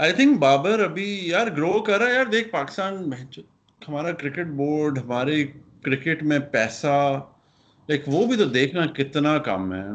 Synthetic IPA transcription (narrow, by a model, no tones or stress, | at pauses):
aːɪt̪ʰɪ̃ŋkbaːbəɾɐbʱijaːɾɡɾoːkɐɾːajaːɾd̪eːk̚ʰpaːkɪ̥st̪aːnbɛɦt͡ʃː | hɐmaːɾakɾɪkɪʈ̚boːɾɖɦɐmaːɾekɾɪkɪʈmẽpɛːsa | laɪkʰʋoːbʱit̪od̪eːkʰnakɪt̪nakɐ̰mɦɛ̰ː